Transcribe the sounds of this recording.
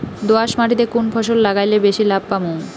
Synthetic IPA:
d̪oaʃmaʈit̪ekunpʰɔʃolːaɡajlebeʃilab̚pamu

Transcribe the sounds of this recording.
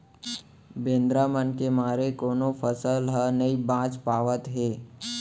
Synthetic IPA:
bẽːnd̪ɾamənkemaːɾekoːnopʰəsəlɦənəibãːt͡ʃpaːʋət̪ɦeː

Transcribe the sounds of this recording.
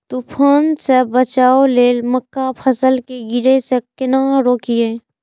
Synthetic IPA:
t̪upʰoːnsebət͡ʃaːoleːlməkːapʰəsəlkeɡɪɾesekɪnaːɾoːkiẽː

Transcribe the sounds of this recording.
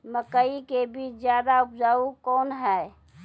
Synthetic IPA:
məkəikebiːt͡ʃd͡ʒjad̪aupd͡ʒaːukɔːnɦɛ

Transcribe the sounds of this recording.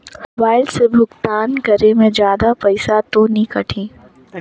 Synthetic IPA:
mobaːɪlsebʱʊɡt̪aːnkɐɾemẽd͡ʒjaːd̪apɐɪsat̪onikɐʈʰĩː

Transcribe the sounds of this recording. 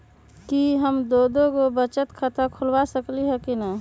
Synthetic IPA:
kiɦəmd̪oːd̪õɡobət͡ʃət̪kʰət̪əkʰʊlwasəkliɦɛkina

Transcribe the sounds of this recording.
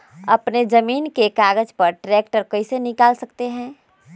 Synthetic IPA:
ɐpned͡ʒɐmiːnkekaːɡəd͡ʒpɐɾʈɾɛːk̚ʈəɾkɐisenɪkaːlsɐkt̪eɦɛ̃ː

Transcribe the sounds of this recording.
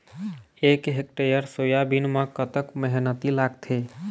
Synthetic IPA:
ekɦek̚ʈeɾijəɾsoːjabinmakət̪əkmɛɦnət̪ilaːɡt̪ʰe

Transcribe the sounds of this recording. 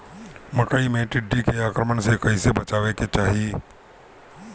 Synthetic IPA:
məkəimẽʈɪɖːikeaːkɾəmənsekɐisebɐt͡ʃaːʋeket͡ʃaːɦie

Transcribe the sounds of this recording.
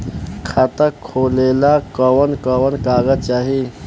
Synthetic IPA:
kʰat̪əkʰːolelakəwənkəwənkaːɡət͡ʃaːɦi

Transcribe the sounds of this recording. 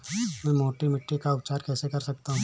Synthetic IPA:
mɛ̃ːmoːʈimɪʈːikaʊpt͡ʃaːɾkɛːsekɐɾsɐk̚t̪aɦũ

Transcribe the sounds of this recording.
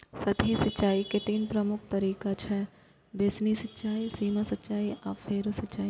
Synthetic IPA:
sɐt̪ʰjesɐtːʃaːiket̪iːnpɾɐmʊk̚ʰt̪ɐɾiːkat͡ʃʰɛː | besnisɐtːʃaːisiːmasɐtːʃaːiʔafʰeːɾosɐtt͡ʃaːi

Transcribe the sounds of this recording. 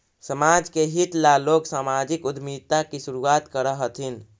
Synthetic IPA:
səmaːd͡ʒkeɦit̪laloːɡsaːmad͡ʒɪkʊd̪mid̪̚t̪akisʊɾuaːt̪kəɾəɦət̪ʰin

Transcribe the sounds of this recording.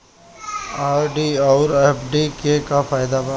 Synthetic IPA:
aːɾɖiaʊɾɛːpɖikekafaːjd̪ab

